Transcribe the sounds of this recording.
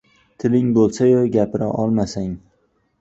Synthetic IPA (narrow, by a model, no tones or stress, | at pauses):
t̪ʰɪlɪŋbolˠsajoɡʲapɪɾaʔɒlˠmasaŋ